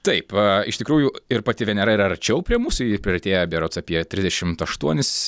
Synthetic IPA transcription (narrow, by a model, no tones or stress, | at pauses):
t̪ɐɪpːɪʃt̪ʲɪkɾuːjʊɪrpɐt̪ʲɪʋʲɛnʲɛɾɐiɾɐɐɾʲt͡ʃʲɛʊpʲɾʲiɛmuːsʊjipʲɾʲɪɛt̪ʲeːjɛbʲiɛɾoːt̪sɑpʲiɛt̪ʲɾʲɪzʲd̪ʲɛʃʲɪmt̪ɐʃt̪uɔnʲɪs